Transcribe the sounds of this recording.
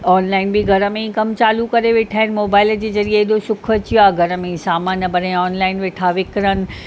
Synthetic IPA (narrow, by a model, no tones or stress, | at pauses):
ɔːnlaːɪnbiɡʱɐɾəmẽĩkɐmt͡ɕaːlukɐɾeʋeʈʰaːɦɪnɪ̆moːbaːɪld͡ʑeːzɐɾieːɗosʊkʰɐt͡ɕjoaːɡʱɐɾəmẽĩsaːmaːnɐbɐɾẽɔːnlaːɪnʋɪʈʰaʋɪkɾənɪ̆